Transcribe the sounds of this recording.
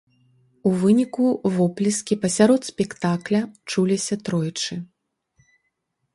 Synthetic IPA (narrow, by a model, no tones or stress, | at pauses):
uvɨnʲikuvɔplʲiskʲipɐsʲaɾɔt̪spʲɛkt̪aklʲɐt͡ʂulʲisʲɐt̪ɾɔjt͡ʂɨ